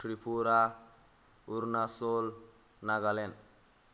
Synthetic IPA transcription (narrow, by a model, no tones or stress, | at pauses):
ʈɾipʰuɾa | uɾnasol | naɡalen